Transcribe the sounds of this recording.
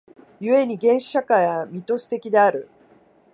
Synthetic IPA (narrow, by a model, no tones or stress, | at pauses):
jɯ̟e̞ɲ̟iɡẽ̞ɰ̃ɕɕakajβamʲit̪o̞ɕi̥t̪e̞kʲid̪e̞aɾɯ̟